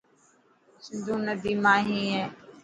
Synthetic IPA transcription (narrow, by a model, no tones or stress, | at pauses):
sɪnd̪ũːnəd̪iːmãːɦĩːɦẽː